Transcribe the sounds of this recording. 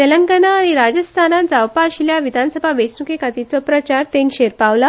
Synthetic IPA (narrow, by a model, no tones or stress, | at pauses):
t̪eləŋɡənaːɽ̃iɾad͡ʑəst̪ʰanad͡zawpaɕiljaʋid̪ʱansəbʱaʋəjsnukʰekat̪it͡sɔpɾət͡ɕaɾt̪ẽŋkɕeɾpaʋla